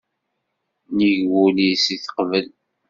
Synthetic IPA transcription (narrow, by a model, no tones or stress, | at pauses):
niʝwulisiθə̥qvəl